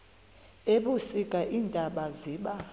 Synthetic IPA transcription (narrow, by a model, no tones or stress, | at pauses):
eɓusikʼaʔiːndʱaɓaziːɓa